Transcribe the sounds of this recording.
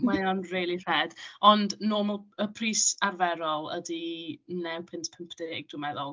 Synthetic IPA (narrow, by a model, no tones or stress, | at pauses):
mmajɔnreːlˠir̥ɛːd̥ɔndnoːmɛlˠəpʰriːsarvɛɾɔlˠə̰dinɛwpʰɪntpʰəmpʰd̥ɛeɡ̚d̥ʊmɛðɔlˠ